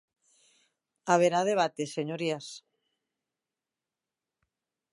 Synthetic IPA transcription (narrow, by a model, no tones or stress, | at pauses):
aβeɾaðeβ̞at̪eseɲoɾias